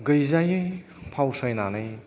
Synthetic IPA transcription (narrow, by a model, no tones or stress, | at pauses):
ɡɐjzajɯj | pʰawsajnanɯj